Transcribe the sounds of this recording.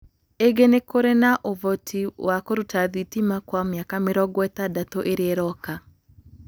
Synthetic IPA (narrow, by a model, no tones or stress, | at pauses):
eɡenekoɾenaʔovɔtʰiwakoɾutaðitimakwamjakameɾɔɡwɛtadatoʔeɾeeɾɔka